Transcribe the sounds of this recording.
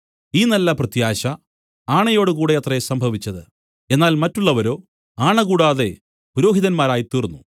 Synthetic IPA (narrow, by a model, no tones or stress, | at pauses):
iːnɐlːɐprɐt̪jaːɕɐ | aːɳɐjo̞ːɽukuːɽe̞ɐt̪rɐsɐmbʱɐʋit͡ɕːɐðɨ | e̞nːaːlmɐtːuɭːɐʋɐɾo̞ː | aːɳɐɣuːɽaːðe̞ | puɾo̞ːɦiðɐnmaːɾaːjit̪iːrunːu